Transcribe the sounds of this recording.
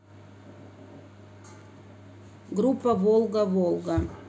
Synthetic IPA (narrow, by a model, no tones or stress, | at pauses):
ɡɾupːɐvolˠɡɐvolˠɡɐ